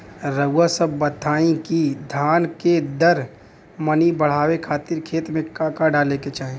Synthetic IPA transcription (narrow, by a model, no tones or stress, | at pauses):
ɾəʊasəbːət̪ʰaːĩkid̪ʱaːnked̪əɾ | mənibəɽ̤aːwekʰaːt̪iɾkʰeːt̪mẽkakaɖaleket͡ʃaːɦe